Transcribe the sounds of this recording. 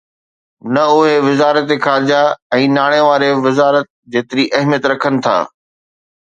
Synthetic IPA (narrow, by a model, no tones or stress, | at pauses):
nɐʊɦeʋɪzaːɾət̪exaːɾɪd͡ʑaɛ̃ːnaːɽ̃eʋaːɾeʋɪzaːɾət̪̚ | d͡ʑeːt̪ɪɾiʔɐɦmijət̪ɾɐkʰənɪ̆t̪ʰa̰ː